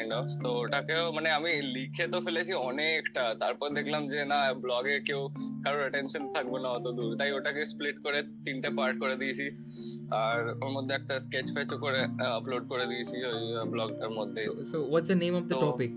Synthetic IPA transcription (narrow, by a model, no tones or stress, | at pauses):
ɳɖɔft̪ooʈakeomaneamilikʰet̪ofʰelat͡ɕʰiɔnekʈat̪aɾpɔɾd̪ekʰlamd͡ʑenablɔɡekewkaɾonəʈenʃənt̪ʰak̚bonaɦot̪od̪uɾt̪aɦioʈakespliʈkoɾet̪inʈapaɾʈ̚koɾed̪it͡ʃʰi | aɾoɾmod̪ʱːeɛk̚ʈasket͡ɕfʰɛt͡ɕokoɾeəploɖkoɾed̪it͡ɕʰiojblɔɡd̪aɾmod̪ʱːesoʋɔʈsənẽmɔfd̪əɔpik